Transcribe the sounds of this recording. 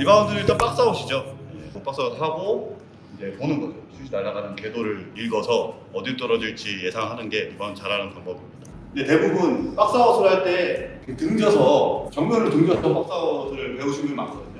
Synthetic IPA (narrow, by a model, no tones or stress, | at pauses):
ibaundɯɾiɭt͈anp͈ak̚s͈aoɕʰid͡ʑoje̞op͈ak̚s͈aɦaɡo | id͡ʑe̞ponɯnɡʌot͡ɕʰud͡ʑinaɾːaɡanɯnke̞doɾɯɭiɭɡʌsʰʌ | ʌdiɭt͈ʌɾʌd͡ʑiɭt͡ɕ͈ije̞sʰaŋɦanɯnɡe̞ibʌnɯnt͡ɕaɾɦanɯnpaŋbʌbimɲid̥a | ne̞te̞bubunp͈ak̚s͈awʌsʰoɾɦaɭt͈e̞ | etɯŋd͡ʑʌsʰʌt͡ɕʌŋmjʌnɾɯɭtɯŋd͡ʑjʌsʰʌp͈ak̚s͈awʌdɯɾɯɭpe̞uɕʰimɯnmans͈ʌjao